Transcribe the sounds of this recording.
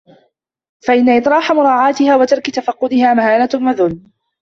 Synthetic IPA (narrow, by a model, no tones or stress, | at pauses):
faʔɪnːaʔɪt̪ˤɾˤɑːħamʊɾˤɑːʕɑːt̪ɪhaːwat̪ɑɾˤkɪt̪afɑqːʊd̪ɪhaːmahaːlamaðʊlː